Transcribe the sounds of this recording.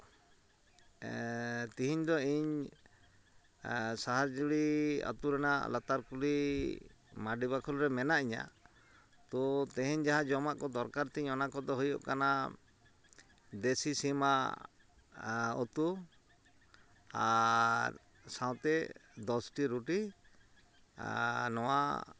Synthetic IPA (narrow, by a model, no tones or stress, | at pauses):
t̪iɦiɲd̪ɔiɲ | saɦaɾd͡ʒuɽia̰t̪uɾɛna̰lat̪aɾkuli | maɖibakʰɔlɾɛmɛnaʔiɲa̰ | t̪ɔt̪ɛ̃ɦɛɲd͡ʒaɦãd͡ʒɔmaʔkɔd̪ɔɾkaɾt̪ɛiɲɔnakɔd̪ɔɦujɔʔkana | d̪esisima | ɔt̪u | aɾ | sãw̃t̪ɛd̪ɔsʈiɾuʈi | nɔwa̰